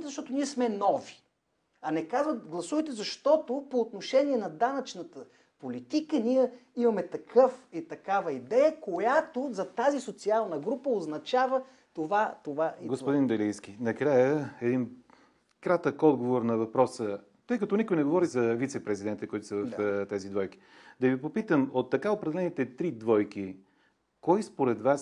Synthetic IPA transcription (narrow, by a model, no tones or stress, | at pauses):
jt̪ɛzɐʃt̪ɔt̪oniɛsmɛnɔvi̥ | ɐnɛkazvət̪ɡlˠɐsuvəjt̪ɛzɐʃt̪ɔt̪opoːt̪noʃɛniɛnɐd̪anɐt͡ʃnət̪ə | polit̪ikəniɛimɐmɛt̪ɐkʰɤfit̪ɐkavəid̪ɛjəkojat̪ozɐt̪azisot̪sialˠnəɡɾupəoznɐt͡ʃavə | t̪ovat̪ovaiɡospod̪ind̪ɛlijskinɐkɾajəɛd̪in | kɾat̪əkɔd̪ɡovoɾnɐvɐpɾɔsə | t̪ɤjkɐt̪ɔnikojnɛɡovɔɾizɐvit̪sɛpɾɛzid̪ɛnt̪əkoit̪ʊ̥səvəft̪ɛzid̪vɔjki̥ | d̪ɐvipopit̪əmot̪ːɐkaopɾɛd̪ɛlɛnit̪ɛt̪ɾid̪vɔjki | kɔjspoɾɛd̪vas